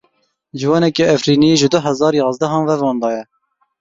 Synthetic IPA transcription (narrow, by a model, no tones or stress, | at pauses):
ʒiwɑːnɛkeɛfɾiːnijeʒəd̪ʊɦɛzɑːɾjɑːzd̪ɛɦɑ̃ːnvɛvɑːnd̪ɑːjɛ